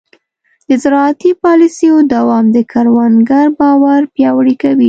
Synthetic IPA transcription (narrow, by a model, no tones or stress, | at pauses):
d̪̥əzɪɾɑat̪ipɑlisejod̪awɑmd̪əkaɾwanɡaɾbɑwaɾpjɑwɽikawi